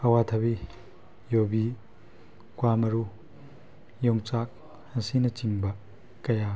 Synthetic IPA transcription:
ɐwat̪ʰɐbi | jobi | kwamɐɾu | jɔŋt͡ʃak̚ | hɐsinɐt͡ʃiŋbɐ | kɐja

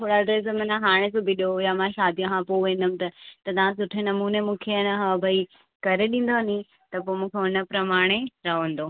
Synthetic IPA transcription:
t̪ʰoːɽaɖɾeːs̬mɐnãɦaːɽ̃esoːbʱiɗojamãʃaːd̪ijɐ̃kʰãpoʋẽːn̆d̪ʊmɪ̃̆t̪ɐt̪ɐt̪ɐʋ̤ãsʊʈʰenɐmuːnemũːkʰeɐnɐɦɐʋbʱɐi | kɐɾeɗĩːn̆d̪oɦɐni | t̪ɐpoːmũːkʰeʊnə̆pɾɐmaːɽ̃eɾɐɦõn̆d̪oː

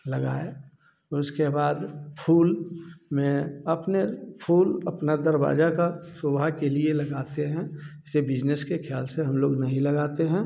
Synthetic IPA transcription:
lɐɡa̰ːe | ʊskebaːd̪pʰuːlmẽɐpnepʰuːlɐ̰pnad̪ɐɾba̰ːd͡ʒakasoːbʱakelielɐɡaːt̪eɦɛ̃ɪsebɪd͡ʒneskekʰjaːlseɦɐmloːɡnɐɦĩlɐɡaːt̪eɦɛ̃

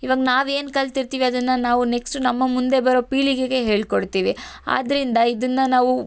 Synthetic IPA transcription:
iʋaːɡɐnaːʋe̞ːnkɐlt̪iɾt̪iːʋiɐd̪ɐnːɐnaːʋuneksʈnɐmːɐmund̪e̞bɐɾo̞ːpiːɭiɡeɡe̞ɦe̞ːɭkoɽt̪iːʋi | a̰ːd̪ɐɾind̪ɐid̪ɐnːɐnaːʋu

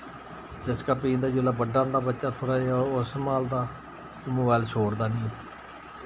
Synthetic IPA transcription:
d͡ʒɪskaːpĩːnd̪aːd͡ʒʊlaːbəɖãːd̪aːbətːʃaːt̪ʰoːɽaːeaʊsmaːld̪aː | moːbaːɪlʃʰoːɾd̪aːnĩː

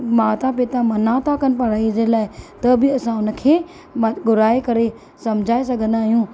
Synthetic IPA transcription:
maːt̪apɪt̪ãmɐnãt̪ʰakɐn̆pɐɾaizelaːɪt̪ɐbɪɐsãʊnə̆kʰeː | mɡʊɾaːekɐɾe | sɐmd͡ʑʱaːes̬ɐɡʱə̃nd̪aːɦijũː

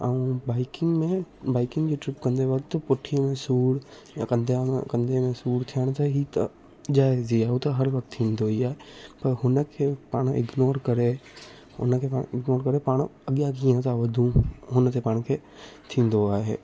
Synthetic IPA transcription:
aũbaːɪkɪŋɡmẽbaːɪkɪ̃ŋɡd͡ʑeʈɾɪpkɐ̃nd̪eʋɐkt̪pʊʈʰijmẽsuːɽ | jãkɐ̃nd̪̃kɐ̃nd̪ʱemẽsuːɽt̪ʰijəɽ̃t̪aɦit̪ɐ | d͡ʒaːeziaːut̪ɐɦɐɾʋɐkt̪ʰːĩːnd̪oɦiaːɦepɐɾɦʊnəkʰeːpaːɽ̃ɪ̰ɡnoːɾkɐɾe | ʊ̰nəkʰepãːɪɡnoːɾkɐɾepaːɽ̃ɐɠjakĩːə̃t̪aʋɐd̪ʱũɦʊnət̪ʰepaːɽ̃kʰeː | t̪ʰĩːnd̪oaːɦeː

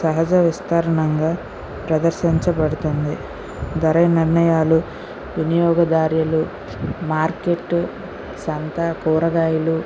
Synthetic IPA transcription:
sɐɦɐd͡ʒɐʋist̪ʰaːɾɐɳɐŋɡaː | pɾɐd̪ɐɾʃiɲt͡ʃɐpɐɽut̪und̪i | d̪ɐɾɐniɾnɐjaːlu | ʋinijɔːɡɐd̪aːɾjɐlu | maːɾkeʈː | sɐnt̪ɐkuːɾɐɡaːjulu

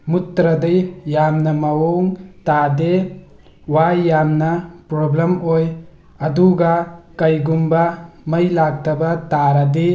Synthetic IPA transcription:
mutɾɐdɐjːamnɐmɐwoŋtade | wajːamnɐpɾoblemoj | ɐduɡɐkɐjɡumbɐmɐjlak̚tɐbɐtaɾɐdi

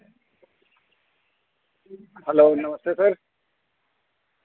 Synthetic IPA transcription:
ɦɛloːnɐməst̪esɐɾ

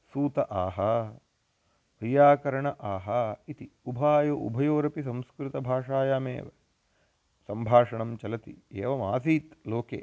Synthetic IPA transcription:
suːt̪ɐʔaːɦɐ | ʋɐjaːkɐɾɐɳɐʔaːɦɐit̪iubʱaːjoʔṵbʱɐjoːɾɐpis̬ɐ̃mskɾɪt̪ɐbʱaːʂaːjaːmḛːʋɐ̰ | sɐmbʱaːʂɐɳɐmt͡ʃɐlɐt̪ḭeːʋɐmaːsiːt̪loːkḛː

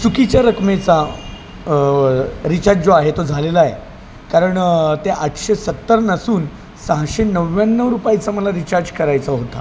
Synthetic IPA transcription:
sukit͡ɕjaɾəkmet͡sa | ɾit͡ɕad͡zoaɦet̪od͡zʱalelaje | kaɾəɳt̪eʔaʈ̪ʰɕesət̪ːəɾnəsuːn | sãɦɕenəʋjanːəʋɾupajit͡saməlaɾit͡ɕaɾd͡ʑkəɾajt͡saɦot̪a̰

